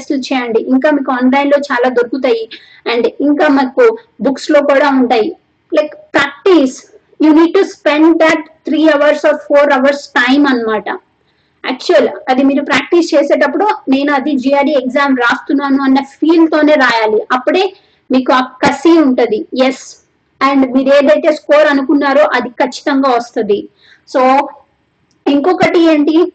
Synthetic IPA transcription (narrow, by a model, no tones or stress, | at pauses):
slut͡ʃɛːjɐɳɖiʔiŋkaːmiːkuɔːnlajnlo̞ːt͡ʃaːlaːd̪oɾkːut̪aːji | ɐɳɖiŋkaːmaːku | bukslo̞ːkuːɽaːuɳʈaːji | lɐjkpɾaːk̚ʈiːs | juːniːɖ̚ʈuspeɳɖd̪ɐʈ̚t̪ʰɾiːɐʋɐɾsɔːɾpʰoːɾɐʋɐɾsʈɐjmɐnːɐmaːʈɐ | æːk̚t͡ʃuɐlɐd̪imiːɾupɾaːk̚ʈist͡ʃeːseːʈ̬ɐpːuɽune̞ːnuɐd̪id͡ʒiːaːɖiekzaːmɾaːst̪unːaːnuɐnːɐpʰiːlt̪oːne̞ːɾaːjaːliɐpːuɽe̞ː | miːkuɐkɐsiuɳʈund̪ijes | ɛːɳɖmiːɾeːd̪ɐjt̪e̞ːskoːɾɐnukunːaːɾuʔɐd̪ikɐt͡ʃːi̥t̪ɐŋɡaːʋɐst̪und̪i | soː | iŋkɔkɐʈieːɳʈi